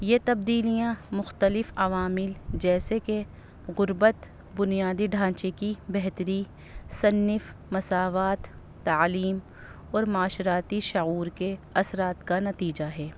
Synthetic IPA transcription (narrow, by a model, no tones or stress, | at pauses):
jet̪ɐb̚d̪iːlijãmʊxt̪əlɪfɐʋaːmɪld͡ʒɛːseke | ɣʊɾbət̪ | bʊnijaːd̪iɖʱãːt͡ʃekibɛɦt̪əɾi | sɐnːɪfmɐsaːʋaːt̪ː | ɐːliːm | ɔːɾmaːʃɾaːt̪iʃʊɣuːɾkeɐsɾaːt̪kanɐt̪iːd͡ʒaɦɛː